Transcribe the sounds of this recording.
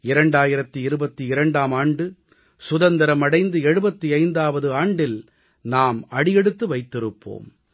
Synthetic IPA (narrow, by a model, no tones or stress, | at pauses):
ɪɾɐɳɖaːjɪɾɐt̪ːiɪɾɯbɐt̪ːiɪɾɐɳɖaːmaːɳɖɯ | sʊðɐnd̪ɐɾɐmɐɽɐɪnd̪ɯɛɻɯbɐt̪ːiɐɪnd̪aːʋɐðɯaːɳɖɪl | naːmɐɽɪjɛɽɯt̪ːɯʋɐɪt̪ːɪɾɯpːo̰ːm